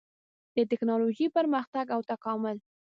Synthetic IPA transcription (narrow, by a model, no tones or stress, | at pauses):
d̪̥ət̪ɪknɑloʒipəɾməxt̪aɡawt̪akɑmʊl